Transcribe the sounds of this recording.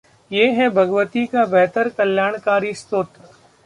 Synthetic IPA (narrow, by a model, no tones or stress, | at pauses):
jeːɦɛbʱɐɡʋət̪ikabɛɦt̪əɾkɐljaːɽ̃kaːɾist̪oːt̪